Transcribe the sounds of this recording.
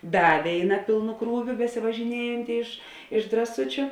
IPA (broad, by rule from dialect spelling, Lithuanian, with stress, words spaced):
ˈdɐ ˈʋʲeːɪˌnɐ ˈpʲɪlˠnʊ ˈkruːʋʲʊ bʲɛsʲɪʋɐʒʲɪˈnʲiɛjɛnʲtʲɪ ɪʃ ɪʃ drɐˈsʊt͡ʃʲʊ